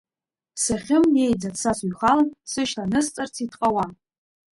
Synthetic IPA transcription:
saχʲɪmje̞jd͡zadsasuɥχalansɨʃlanɨst͡sʼart͡sʰitʰʼqʼawa

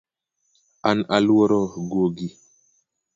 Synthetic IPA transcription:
analwɔɾɔɡoɡi

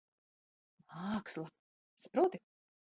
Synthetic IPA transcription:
maːkslˠa | sapɾuːt̪i

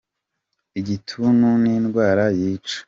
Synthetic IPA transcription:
iɟitʰununiːnɡwaːɾajiːt͡ʃe̥

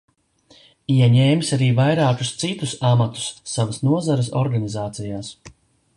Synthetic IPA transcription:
iɛɲɛːmsaɾiːvajɾaːku̥st̪sit̪usamat̪u̥sːavasnuɔzaɾɨs̬ɔ̰ɾɡanizaːt̪sijaːs

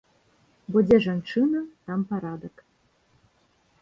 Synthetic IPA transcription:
bɔd͡zʲeʐant͡ʂɨnɐt̪ɑmpaɾɑd̪ək

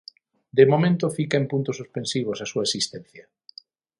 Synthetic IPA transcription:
d̪emomẽnt̪ʊfikeempunt̪osospensiβ̞osasuɐesist̪ɛ̃n̟θjɐ

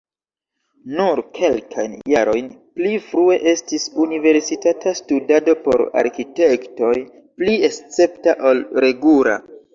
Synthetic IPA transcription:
nuɾkʰe̞lkʰajnjaɾo̞jnplifɾue̞ʔe̞stisunive̞ɾsitatastudado̞po̞̰ɾa̰ɾkite̞kto̞j | pliest͡se̞ptaʔo̞lɾe̞ɡuɾa̰

